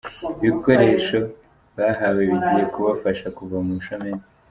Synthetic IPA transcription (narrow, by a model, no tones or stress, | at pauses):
iβiko̞ɾe̞ʃo̞ | βaɦawe̞βiɟije̞kuβafaʃakuvamuʃomeɾi